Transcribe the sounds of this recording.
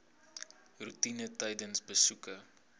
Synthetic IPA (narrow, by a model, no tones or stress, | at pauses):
rutinətɛjdənsbəsukə